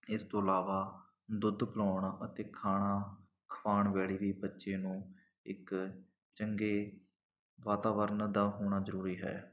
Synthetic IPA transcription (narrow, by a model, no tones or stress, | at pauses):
ɪst̪õːəlaːʋaː | d̪ʊd̪pəlaːɳaːʔət̪eːkʰaːɽ̃aː | kʰəʋaːɳʋɛːɽiːʋiːbətːʃeːnũː | ɪk | t͡ʃəŋɡeː | ʋaːt̪aːʋəɾənd̪aːɦoːɽ̃aːzəɾuːɾiːɦɛ̰ː